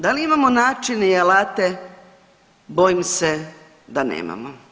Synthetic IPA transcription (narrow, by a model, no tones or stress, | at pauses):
d̪aliimamonaːt͡ʃineialaːt̪e̞ | bojimse | d̪anḛːma̰mo